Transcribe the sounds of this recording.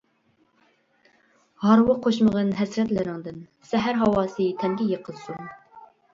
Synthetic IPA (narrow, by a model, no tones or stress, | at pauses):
hɑɾwɨqʰoʃməʁɨnɦɛsɾɛt̪lɪɾɪŋd̪ɨn | sɛɦæɾɦɑwɑːsɨt̪ʰɛŋɡʲɛjəqʰəlˠsun